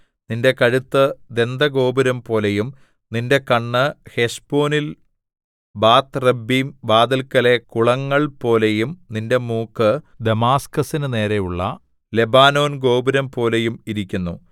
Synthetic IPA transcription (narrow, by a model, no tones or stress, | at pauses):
ninde̞kɐɻut̪ːɨd̪e̞nd̪ɐɡo̞ːbɐɾɐmpo̞ːlejum | ninde̞kɐɳːɨhe̞ʂpo̞ːnil | baːt̪ːrebːimbaːd̪ɐlkɐle̞kuɭɐŋːɐɭpo̞ːle̞jumninde̞muːkːɨ | d̪e̞maːskɐsinɨne̞ːɾejuɭːɐ̰ | le̞baːno̞ːnɡo̞ːbɐɾɐmpo̞ːlejumiɾikʲːunːu